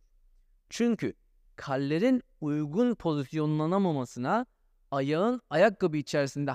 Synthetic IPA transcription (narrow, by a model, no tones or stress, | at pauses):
t͡ʃʰyɲcʰy | kʰalʲːe̞ɾin | ujɡunpʰo̞zisjo̞nulˠanamamasɯna | ajaɯnajak̚ɡabɯːt͡ʃʰɛɾisind̪ɛ